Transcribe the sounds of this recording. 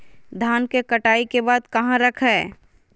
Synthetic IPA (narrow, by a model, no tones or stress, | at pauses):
d̪ʱaːnkekɐʈaːikebaːd̪kɐɦãɾɐkʰɦɛː